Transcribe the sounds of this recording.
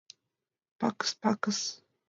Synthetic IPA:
pakə̥spakas

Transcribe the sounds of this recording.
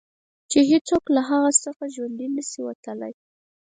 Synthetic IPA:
t͡ʃeɦet͡soklaɦaɣasəxaʒwand̪inəsiwa̰t̪əla̰j

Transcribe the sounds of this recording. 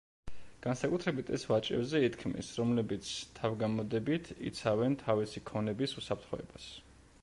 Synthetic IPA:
ɡ̥ansakʼut̪ʰɾɛbit̪ʰɛ̰svat͡ʃʼɛbzɛit̪ʰkʰmḭsɾɔmlɛbit̪sʰt̪ʰavɡamɔd̪ɛbit̪ʰḭt̪sʰavɛnt̪ʰavisikʰɔnɛbisusapʰɾt̪χɔɛ̰bas

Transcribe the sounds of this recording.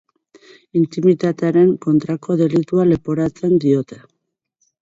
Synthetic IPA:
int̪imit̪at̪e̞aɾe̞ŋko̞nt̪ɾako̞ðe̞lit̪uale̞po̞ɾat͡se̞nd̪io̞t̪e̞

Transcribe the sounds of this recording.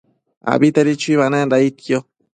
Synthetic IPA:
a̰bit̪aɾit͡ʃuiβanaɾait̪kjo

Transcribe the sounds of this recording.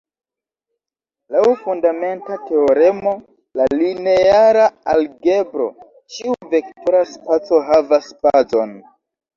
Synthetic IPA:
lawfundame̞ntate̞o̞ɾemo̞ | laline̞aɾaalɡe̞bɾo̞̰ | t͡ʃiuve̞ktoɾaspat͡so̞ɦavaspazo̞n

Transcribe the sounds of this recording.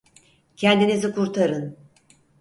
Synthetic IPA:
cʰɛnd̪inizikʰuɾt̪ʰaɾɯn

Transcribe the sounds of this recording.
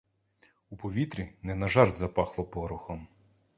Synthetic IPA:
upɔʋʲit̪ɾʲinɛnɐʒɑrd̪zɐpɑxlˠɔpɔɾʊxɔm

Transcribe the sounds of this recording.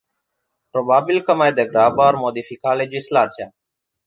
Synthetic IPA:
pɾoːbaːbilkəmajd̪eɡɾaːbəaɾmoːd̪ifikaːleːd͡ʒislaːt͡sijaː

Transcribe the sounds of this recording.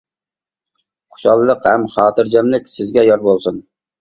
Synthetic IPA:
qʰo̥ʃɑlˠɨlˠəqhæmχɑːt̪ʰɨɾd͡ʒɛmlɪkʲsɪzɡʲɛjɑɾbolˠsun

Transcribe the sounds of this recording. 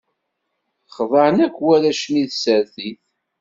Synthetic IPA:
χðˤəʕnækʷːwæɾæʃmiðsəɾθiθ

